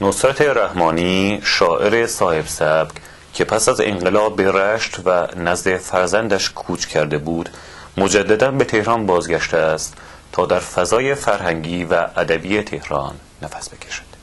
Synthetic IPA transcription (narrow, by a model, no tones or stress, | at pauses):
nosɾæt̪ʰe̞ɾæhmɒːniːʃɒːʔe̞ɾesɒːhe̞bsæb̥k | cʰe̞pʰæsæzḛŋɢelɒːberæʃt̪vænæzd̪e̞fæɾzænd̪æʃkʰuːt͡ʃʰcʰæɾd̪e̞buːd̪̥ | mod͡ʒæd̪ːæd̪ænbe̞t̪ʰe̞hɾɒːnbɒːzɡæʃt̪eæst̪ | t̪ʰːɒːd̪æɾfæzɒːje̞fæɾhæŋɟiːvæʔːd̪æbiːjet̪ʰe̞hɾɒːnːæfæ̥sbe̞cʰeʃæ̥d̪̥